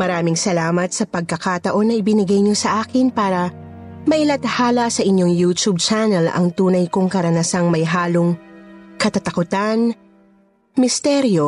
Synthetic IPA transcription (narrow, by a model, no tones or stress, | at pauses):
mɐɾaːmɪŋsɐlaːmɐt̪̚sɐpɐɡ̚kɐkat̪ɐʔo̞nːɐʔɪbɪnɪɡajɲo̞sɐʔaːkɪnpaːɾɐ | mɐʔɪlɐt̪haːlɐsɐʔɪɲjo̞ŋjuːt͡ʃ̪ub̚t͡ʃanɛlɐ̰ŋt̪uːnɐjkʊŋkɐɾɐnɐsaŋmɐjɦaːloŋkɐt̪ɐt̪ɐkʊt̪an | mɪst̪ɛɾjo